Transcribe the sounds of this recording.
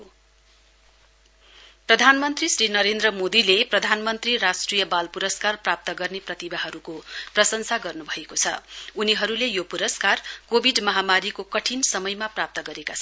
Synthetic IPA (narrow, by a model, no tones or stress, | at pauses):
o | prʌd̪ʱanmʌnt̪risɾinʌɾend̪rʌmod̪ileprʌd̪ʱanmʌnt̪riɾasʈrijʌbalpuɾʌskarprap̚t̪ʌɡʌrneprʌt̪ibaɦʌɾukoprʌsʌnsʰaɡʌrnubʱʌekot͡sʰʌ̰uniɦʌɾulejopuɾʌskarkobʱiɖmʌɦamaɾikokʌʈʰinsʌmʌjmaprap̚t̪ʌɡʌɾekat͡sʰʌ